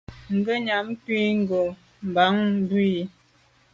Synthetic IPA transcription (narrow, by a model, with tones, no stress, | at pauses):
ŋ̩˨ɡə˦ɲa˨˦mkwi˦ŋ˦ɡo˨ | m˨ba˨˦ŋ˦bi˦i˨˦